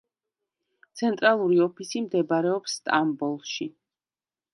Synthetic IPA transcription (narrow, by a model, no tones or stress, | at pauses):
t̪sʰɛnt̪ʼɾalˠuɾiɔpʰisimd̪ɛbaɾɛɔpsːt̪ʼambɔlˠʃi